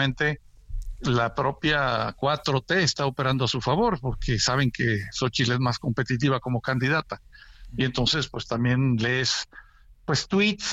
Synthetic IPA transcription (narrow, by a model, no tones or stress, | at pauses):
ẽnt̪e̞ | lapɾo̞pjakwat̪ɾo̞t̪e̞ːst̪aope̞ɾand̪oasufaβo̞ɾpo̞ɾkʰe̞saβ̞e̞ŋke̞so̞t͡ʃileezmasko̞mpe̞t̪it̪̬iβ̞ako̞mo̞kand̪iðat̪aie̞nt̪o̞nse̞spwest̪ambje̞nlees | pwe̞st̪wit̪s